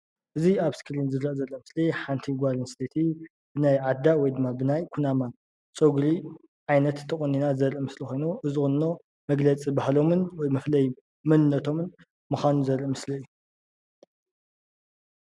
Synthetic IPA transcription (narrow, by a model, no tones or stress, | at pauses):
ʔɨziaβskʰɨlinzɨɾɐʔzɐlːomɨsliħant̪ʰiɡʷalinst̪ʰet̪ʰi | b̥ɨnajʕad̪ːawɔjd̪ɨmːabɨnajkʰunama | t͡sʼoɡli | ʕajnɐt̪ʰːɐχʼonːinazɐɾʔimɨslixʷo̞jnuʔɨzɨxɨnːo | mɐɡlɐt͡sʼibahlo̞mɨnwɔjmɐflɐj | mɨnɨnːɐt̪ʰo̞mɨn | mɨxanuzɐɾɨmɨsliɨju